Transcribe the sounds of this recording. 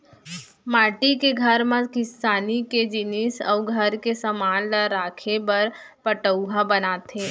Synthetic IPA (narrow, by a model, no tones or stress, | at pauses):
maːʈikeɡʱəɾmãkɪsaːniked͡ʒɪnɪsə̰ʊɡʱəɾkesəmaːnlaɾaːkʰebəɾ | pəʈəwɦabənaːt̪ʰẽː